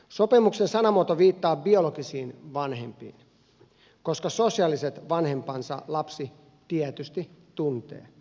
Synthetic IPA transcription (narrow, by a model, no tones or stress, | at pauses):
sopemuksensɑnɑmuot̪oʋiːt̪ːɑːbiolokisiːnʋɑnhempḭːn | koskɑsosiɑliset̪ʋɑnhe̞mpɑnsɑ̰lɑpsi | t̪iɛt̪yst̪it̪unt̪ḛː